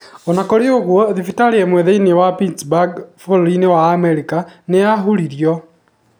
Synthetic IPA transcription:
onakoɾeoɣwɔðifitaɾeemweðeinewapinsbaɡfollinewaːmeɾikaneaɦuliɾjɔ

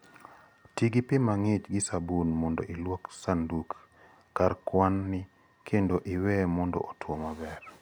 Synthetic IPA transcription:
tiɡipɪmaŋɪt͡ʃɡɪsabunmɔndɔ̰ʔilwɔksanduk | karkwanːɪ | kʰendoʔɪwɛmɔndɔ̰ʔotwɔmabɛr

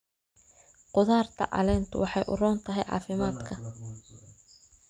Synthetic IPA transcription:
qʊðaːrt̪ʰɐ̰ʔɐ̰lɛːnt̪ʰʊwɑħɑjʔʊ̰rɔːnt̪ʰɐɦɛjʕɑ̰ːfɪmaːd̪kʰɐ

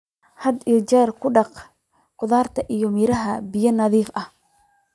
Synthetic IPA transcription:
hɐd̪it͡ʃɛːrkʰʊɖɑq | qʊðaːrt̪ʰɐʔijɔmiːɾɐɦɐbɪjɐnɐðiːfʔɐh

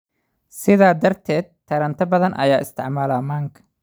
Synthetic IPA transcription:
sɪðaːd̪ɐrt̪ʰɛːd̪̚t̪ʰːɐɾɐnt̪ʰɐbɐðɐnʔɐ̰jaːʔɪ̰st̪ʰɪʕmaːlaːmaːŋkʰɐ̥

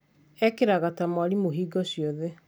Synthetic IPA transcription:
ɛkeɾaɣatamwaɾimoɦiːɡɔɕjɔðe

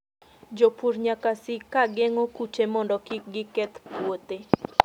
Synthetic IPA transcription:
d͡ʒopuɾɲakasɪkaɡɛŋɔkut͡ʃemɔndɔkiɡɪkɛt̪pwot̪e

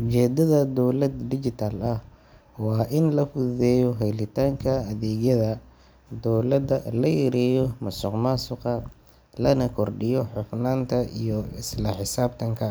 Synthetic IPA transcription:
ʔʊt͡ʃɛːd̪ɐðɐd̪ɔwlɐd̪d̪ɪt͡ʃɪt̪ʰaːlɐh | wɑːʔɪnlɐfʊððɛːjɔɦɛjlɪt̪ʰaːŋkʰɐɐðɛːɣjɐðɐ | d̪ɔwlɐd̪ɐlɐjɛɾɛːjɔmɐsɔqmasʊqɐ | lɐnɐkʰɔrɖɪjɔħʊfnaːnt̪ʰɐḭjɔɪslɐħɪsaːbt̪ʰɐŋkʰɐ

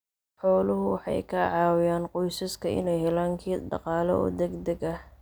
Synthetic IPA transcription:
ħɔːlʊɦʊwɑħɑ̰jkʰɐʕɑːwɪjaːnqɔjsɐskʰɐʔɪ̰nɛjhɛlaːŋkʰiːɖɑ̰qɑːlɐ̰ɔ̰ːd̪ɛɡd̪ɐɡɐh

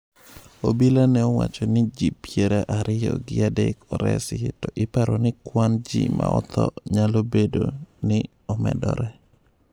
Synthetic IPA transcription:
obilanɛɔwat͡ʃɔnɪd͡ʒipjeɾaʔaɾɪjɔɡɪadekɔɾɛ̰sɪtɔʔɪpaɾɔnɪkwand͡ʒḭmaɔt̪ʰɔɲalobedonɪ | ɔmɛ̰dɔɾɛ

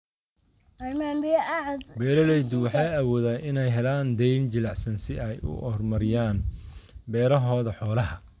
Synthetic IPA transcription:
ɐɾmaːnbijɐʔaʕd̪bɛːɾɐlɛjd̪ʊwɑħɑːjɐwɔːðaːnʔɪnɛjɦɛlaːnd̪ɛjnd͡ʒɪlɑʕsɐnsɪɛjʊ̰ʔɔrmɐɾɪjaːnbɛːɾɐɦɔːðɐħɔːlɐɦɐ

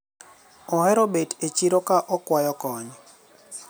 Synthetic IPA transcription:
ɔhɛɾobetet͡ʃiɾokaʔɔkwajɔkɔɲ

